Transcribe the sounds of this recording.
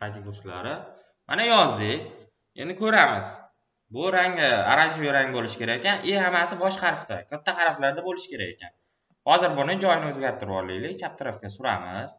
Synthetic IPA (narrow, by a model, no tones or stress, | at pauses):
qat̪ʲɪɡost̪la̰ɾɪ | manajɒzd̪ɪkʲ | end̪ɪkʲʰɵɾamɪz̥ | bʊɾaŋɪa̰ɾand͡ʒɪjɾaŋbolɪʃɪkʲʰe̞ɾakʲekʲʰanɪhamasɪbɒʃqʰɑɾft̪a̰kʲʰat̪ʰːaqʰɑɾflaɾd̪abolɪʃɪ̥kʲe̞ɾakʲe̞kʲan | hɒzɪɾbʊnɪd͡ʒɒjɪnɪɵzɡʲaɾt̪ʰɪɾbɒɾlɪjlɪkʲt͡ʃʰap̚t̪ʰɪɾɒfkʲasʊɾa̰mɪz̥